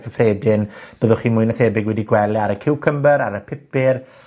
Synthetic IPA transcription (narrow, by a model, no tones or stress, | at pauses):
kʰəfreːdɪnb̥əðʊχiːmʊɨjnaθɛːbɪɡwɛdiɡwɛlˠiaɾəkʰɪwkʰəmbəɾaɾəpʰɪpɪr